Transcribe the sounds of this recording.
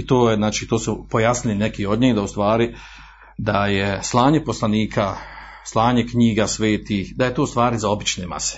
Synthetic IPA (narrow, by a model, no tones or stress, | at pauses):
it̪oːjeznaːt͡ʃiːt̪oːsupo̞jasnilinekiːo̞d̪ɲiːhd̪aust̪ʋaːɾi | d̪ajeslˠaːɲe̞po̞slˠaniːkʰa | slˠaːɲe̞kɲiːɡaːsʋeːt̪iːxd̪ajet̪o̞ːust̪ʋaːɾizao̞bit͡ʃneːma̰se̥